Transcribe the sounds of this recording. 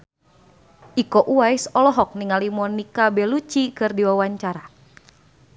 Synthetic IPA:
ʔikɔʔuajsɔlɔɦɔk̚niŋalimɔnikabɛlut͡ʃikɨrdiwawaɲt͡ʃaɾa

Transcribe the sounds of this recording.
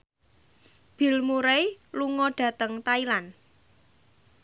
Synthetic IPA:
b̥i̤lmuɾejluŋɔɖ̥ä̤t̪əŋt̪ailan

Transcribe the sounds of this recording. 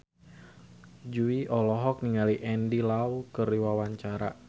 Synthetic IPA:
d͡ʒuiʔɔlɔɦɔk̚niŋaliʔɛndilaukəriwawaɲt͡ʃaɾa̰

